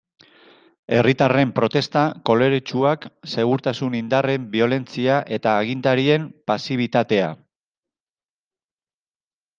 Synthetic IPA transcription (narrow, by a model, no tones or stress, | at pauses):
e̞rit̪are̞mpɾo̞t̪e̞st̪ako̞le̞ɾet͡ʃuakse̞ɣuɾt̪asunind̪are̞mbio̞le̞nt͡siaʔe̞t̪aːɣ̞ind̪aɾie̞mpasiβ̞it̪at̪e̞a